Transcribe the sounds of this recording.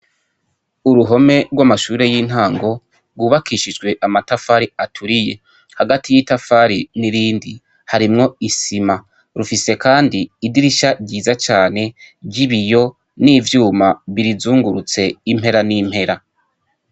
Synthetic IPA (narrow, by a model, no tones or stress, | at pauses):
uɾuɦo̞me̞ɾɡwamaʃuːɾe̞jin̥haːŋɡo̞ | ɡwuːβakiʃid͡ʒɡwe̞ʔamatafaɾiatʰuɾije̞ | haɡatijitafaɾiniɾiːndi | haɾimŋo̞isima | ɾufise̞kaːndiːdiɾiʃaɟiːzat͡ʃaːne̞bɟiβijo̞ | niːvjuːmaβiɾizuːŋɡuɾut͡se̞im̥he̞ɾaniːm̥he̞ɾa